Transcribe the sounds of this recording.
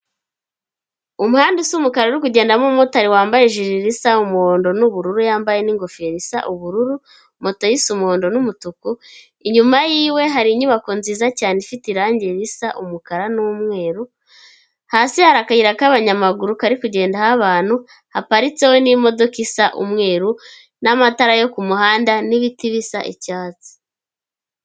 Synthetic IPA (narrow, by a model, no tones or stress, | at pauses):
umuhaːndisumukaɾauɾik̬uɟe̞ːndamumotaɾiwaːmbajeʒiɾiɾisaumuhoːndo̞nuβuɾuɾujaːmbaje̞niŋɡo̞feɾisa̰ʔuβuɾuɾu | mo̞to̞jisumuhoːndo̞numutuku | iɲumajiːwe̞ɦaɾiɲuβako̞nziːzacaːnefitiɾaːɲɟeɾisaʔumukaɾanumŋe̞ːɾu | haːsihaɾakaiɾakaβaɲamaɡuɾukaɾikuɟe̞ːndahaβaːn̥hu | hapaɾit͡se̞we̞nimo̞do̞kisaʔṵmŋe̞ːɾu | namataɾajo̞kumuhaːndaniβitiβisaʔḭcaːt͡si̥